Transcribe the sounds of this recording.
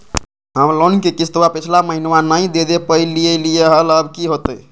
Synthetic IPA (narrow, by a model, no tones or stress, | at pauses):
ɦəmlonkekisʰt̪wapit͡ʃʰlaməɦinwanəjd̪ed̪epəilːiəliəɦələbkiɦot̪əj